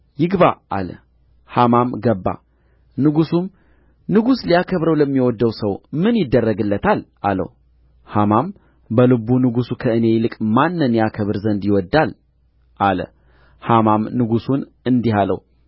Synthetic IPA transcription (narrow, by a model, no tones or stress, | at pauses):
jɪɡbaʔa̰lə̰ | hamamɡəbːa̰ | nɨɡusum | nɨɡuslijakʰəβɾəwləmːiwɔd̪ːəwsəwmɨnjɪd̪ːərːəɡɨlːət̪ʰalʔalə̰w | hamam | bəlɨbunɨɡusukʰəɨne̞jlɨkʼmanːɨnjakʰəβɨɾzənd̪jɪwɔd̪ːal | ʔalə̰ | hamamnɨɡusun | ɨnd̪iɦalə̰w